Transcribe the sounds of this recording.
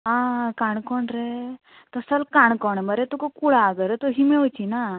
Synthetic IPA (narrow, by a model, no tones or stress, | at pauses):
ɦãkaɳkɔɳɾe | t̪əsəlkaɳkɔɳməɾet̪ukakuɽaɡəɾt̪uɦiːmewt͡ɕina